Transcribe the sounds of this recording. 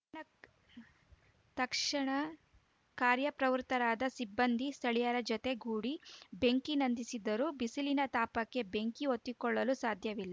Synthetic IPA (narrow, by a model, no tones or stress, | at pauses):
ɐ | t̪ɐkʂɐɳɐ | kaːɾjɐpɾɐʋɾut̪ɐɾaːd̪ɐsibːɐnd̪ʱist̪ʰɐɭijɐɾɐd͡ʒɔt̪e̞ɡuːɽibe̞ŋkinɐnd̪isid̪ɐɾuːbisilinɐt̪aːpɐkːe̞be̞ŋkiot̪ːikɔɭːɐlusaːd̪ʱjɐʋilːɐ